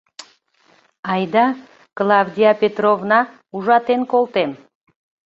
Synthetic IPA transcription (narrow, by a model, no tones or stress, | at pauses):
ɑjd̪ɑ | klˠawd̪ʲijapʲet̪rovnɑ | uʒɑt̪enkolˠt̪em